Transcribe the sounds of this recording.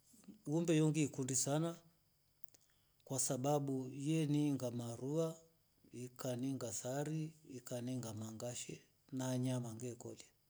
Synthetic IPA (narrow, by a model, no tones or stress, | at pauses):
wumbɛjɔŋɡiːkundisana | kwasaɓaɓujɛniŋɡamaɾua | ikaniŋɡasaɾiːkaniŋɡamaŋɡaʃɛ | naːɲamaŋɡɛkɔ̰la